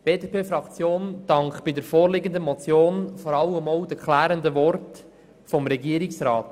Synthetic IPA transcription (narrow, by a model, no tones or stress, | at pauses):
b̥eːdepʰeːfɾɑkt͡sjoːnd̥ɑŋkχb̥ɪdəɾfoːɾlɪɡənd̪əmɔt͡sjoːnfɔɾɑləmowdəkʰlæːɾəndəvɔrt | fɔmɾɛɡiːəɾɪksɾɑːt